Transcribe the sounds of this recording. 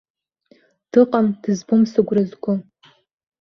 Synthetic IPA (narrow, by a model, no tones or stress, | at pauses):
d̥ɨqʼamd̥ɨzbʊmsɨɡʷrɨzɡʷʊ